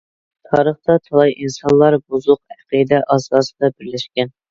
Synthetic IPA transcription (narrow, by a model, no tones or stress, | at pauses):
t̪ʰɑːɾəχt̪ɑt̪ʰɑlˠɑjinsɑnlˠɑɾbuzʊq̚æqid̪ɛʔɑzd̪ɑːsɨ̥d̪ɑbɪɾlɪʃkʲɛn